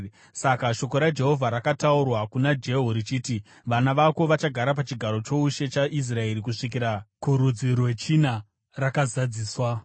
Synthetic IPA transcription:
sakaʃo̞ko̞ɾad͡ʒe̞ɦo̞vʱaɾakataurwakunad͡ʒe̞ɦoɾit͡ʃiːti | ʋanaʋako̞ʋat͡ʃaɡʱaɾap̬at͡ʃiɡʱaɾo̞t͡ʃo̞uʃe̞t͡ʃaʔis̬rae̞ɾikuʂik̬iɾakuɾud͡zirwe̞t͡ʃina | rakazad͡ziːswa

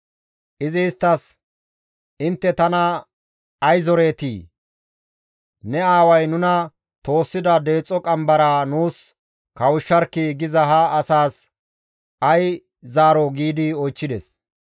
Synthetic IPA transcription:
ʔɪzɪst̪ːɐs | ɪnt̪ːɛt̪ɐnɐ | ɐjzɔɾe̞ːt̪ḭː | nɛaːwɐjnʊnɐ | t̪o̞ːsːɪd̪ɐd̪e̞ːt͡sʼːɔkʼɐmbɐɾaːnuːs | kɐwʊʃːɐɾkːiɡɪzɐɦɐːsaːs | ʔɐj | zaːɾɔɡiːd̪ɪɔjt͡ʃːɪd̪ɛs

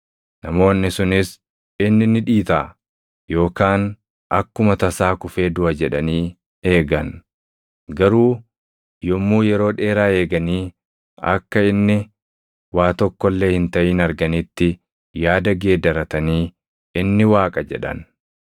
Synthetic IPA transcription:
nɐmo̞ːnːɪsʊnɪs | ɪnːɪnɪᶑiːt̪aː | jo̞ːkaːn | ʔɐkːʊmɐt̪ɐsaːkʊfe̞ːd̪ʊʔɐd͡ʒɛᶑɐniː | e̞ːɡɐn | ɡɐɾuː | jɔmːuːjɛɾo̞ːᶑe̞ːɾaːe̞ːɡɐniː | ɐ̰kːɐɪnːɪ | waːt̪ɔkːɔlːe̞ːhɪnt̪ɐʔɪːnɐɾɡɐnɪt̪ːɪ | jaːd̪ɐɡe̞ːd̪ɐɾɐt̪ɐniː | ɪnːɪwaːkʼɐd͡ʒɛ̰ᶑɐ̰n

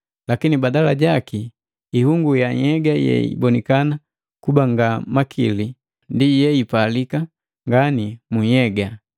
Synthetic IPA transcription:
lakinibadalaɟakiː | huŋɡujaɛɡajɛ̰ḭbɔnikana | kubaŋɡamakʰili | ndijɛipalika | ŋɡanimuɛɡa

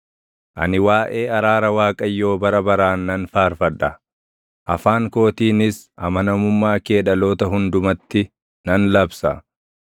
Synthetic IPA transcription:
ʔɐ̰nɪwaːʔeːɐɾaːɾɐwaːkʼɐjːo̞ːbɐɾɐbɐɾaːnːɐnfaːɾfɐᶑɐ | ʔɐfaːŋko̞ːt̪iːnɪsɐmɐnɐmʊmːaːke̞ːᶑɐlo̞ːt̪ɐɦʊnd̪ʊmɐt̪ːɪ | nɐnlɐbsɐ

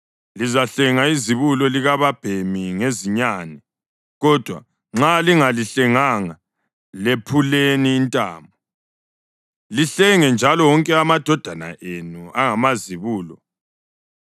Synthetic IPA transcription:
lizaɬɛŋaiziβulɔliɣaβab̥ʱemiŋeziɲanɛ | ɣɔd̥ʱwa̰ | ŋ͡ǁaliŋaliɬɛŋaŋa | lepʰuleniːntʼa̰ːmb̚ʱu | liɬɛŋɛnd͡ʒʱalɔwɔŋkʼɛamad̥ʱɔd̥ʱana̰ʔenuaŋamaziβuːlɔ

